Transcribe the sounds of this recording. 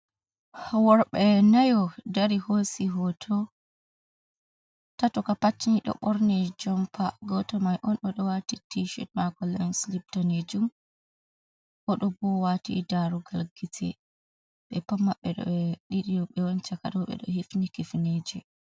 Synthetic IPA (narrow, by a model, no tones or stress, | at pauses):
wɔɾɓɛnajɔdaɾihosiɦɔtʰɔ | tatɔkapat͡ʃːiniɗɔ̰ɓɔɾnɛd͡ʒɔmpʰaɡɔtɔmajʔɔnɗɔɗɔwatitiʃɛ̰tmakɔlɛnslip̚taned͡ʒum | ʔɔɗɔbɔwatḭdaɾuɡalɡitʰɛ̰ | ɓɛpamːaɓːɛɗɔ̰ɗiɗijɔɓɛwɔnt͡ʃakaɗɔɓɛ̰ɗɔhifnikifned͡ʒɛ